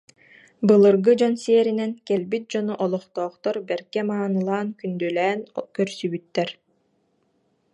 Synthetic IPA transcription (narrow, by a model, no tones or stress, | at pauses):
bɯlˠɯɾɡɯd͡ʑɔnseːɾinɛnkɛlbit̪̚d͡ʑɔnuʔɔlˠɔχt̪ɔːχt̪ɔɾbɛɾkɛmaːnɯlˠaːnkynd̪ylɛːnkœɾsybyt̪ːɛɾ